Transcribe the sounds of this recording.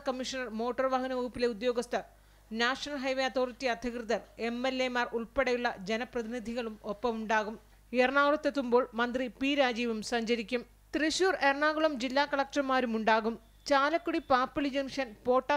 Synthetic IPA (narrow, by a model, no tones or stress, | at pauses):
kɐmːiʂɐnɐrmo̞ːʈːɐrʋaːɦɐnɐʋuːpːile̞ud̪jo̞ːɡɐst̪ʰɐr | naːʂɐnɐlɦɐjʋeɐt̪oːrt̪ːiɐd̪ʱjɐkrɨðɐre̞mːelːemaːruɭpeɽɐjuɭːɐd͡ʑenɐprɐðinid̪ʱiɣɐɭumopːɐmuɳɖaːɣum | erɳaːɣuɭɐt̪ːet̪ːumbo̞ːɭmɐnd̪ripiːɾaːd͡ʑiːʋɐmsɐɲd͡ʑɐɾikʲːum | t̪riɕuːrerɳaːɣuɭɐmd͡ʑilːaːkɐɭɐk̚ʈɐmaːɾumuɳɖaːɣum | t͡ɕaːlɐkːuɽipaːpːulid͡ʑenʂɐnpo̞ːʈːaː